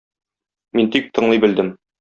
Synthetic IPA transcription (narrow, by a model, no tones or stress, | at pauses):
mint̪ik̚t̪ɤ̆ɴlˠɤjbɘ̆ld̪ɘm